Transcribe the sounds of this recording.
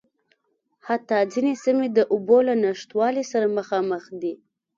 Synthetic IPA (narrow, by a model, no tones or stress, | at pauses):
hat̪ːɑzinesɪmed̪əʔʊbolanaʂt̪wɑlisaɾaməxɑməxd̪i